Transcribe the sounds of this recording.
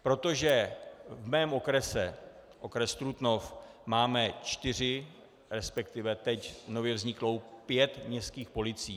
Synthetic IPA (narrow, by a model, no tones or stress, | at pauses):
pɾo̞t̪o̞ʒɛvmɛːmʔo̞kɾɛsɛ | ʔo̞kɾɛst̪ɾut̪no̞fmaːmɛt͡ʃt̪ɪr̝ɪ | ɾɛspɛkt̪ɪvɛt̪ɛcno̞vjɛvzɲɪklo̞wpjɛt̪mɲɛst̪kiːxpo̞lɪt͡siː